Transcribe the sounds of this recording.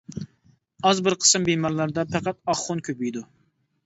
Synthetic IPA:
ɑzbɪɾqʰə̥sɨmbemɑɾlˠɑɾd̪ɑpʰæqæt̪̚ɑχːʊnkʲʰøpyjd̪u

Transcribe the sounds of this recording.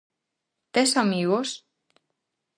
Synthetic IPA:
t̪esamiɣos

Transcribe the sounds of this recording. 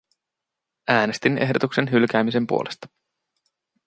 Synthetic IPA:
ʔæːne̞st̪ine̞ɦdo̞t̪ukse̞nɦylk̟æːmise̞mpṵole̞st̪ɑ̥

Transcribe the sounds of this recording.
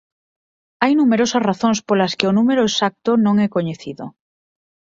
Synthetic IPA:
ajnumeɾosɐsraθõŋspolaskeonumeɾoesak̚t̪onõŋɛkoɲeθiðo

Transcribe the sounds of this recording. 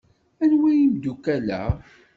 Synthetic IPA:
ænwijimd̪ukælæ̰

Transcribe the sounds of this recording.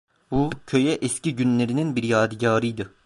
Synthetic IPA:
bucʰø̞jɛʔɛsciɟynlʲeɾininbiɾjaːd̪ɯɟaːɾɯjd̪ɯ

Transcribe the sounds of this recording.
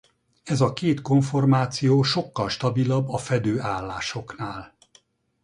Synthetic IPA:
ɛzɒkeːt̪ko̞ɱfo̞rmaːt̪sijoːʃo̞kːɒlʃt̪ɒbilɒbːɒfɛd̪øːʔaːlːaːʃo̞knaːl

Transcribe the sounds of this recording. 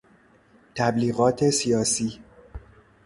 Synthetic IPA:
t̪ʰæbliːɣɒːt̪ʰe̞sijɒːsiː

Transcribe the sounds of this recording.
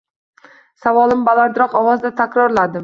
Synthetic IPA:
savɒlˠɪmbalaɾd̪ɪɾɒqɒwɒzd̪at̪ʰakʲɾɒɾlad̪ɪm

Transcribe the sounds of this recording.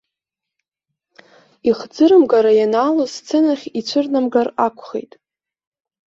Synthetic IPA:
iχd͡zɨɾɨmɡaɾajanaːlost͡sʰenaχʲit͡ɕʷʰɨrnamɡarakʷʰχḛjtʼ

